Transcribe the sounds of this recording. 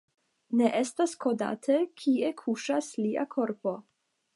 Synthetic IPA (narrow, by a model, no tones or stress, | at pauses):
ne̞ʔe̞stasko̞da̰tʰekʰiekʰuʃasliʔa̰kʰo̞ɾpo̞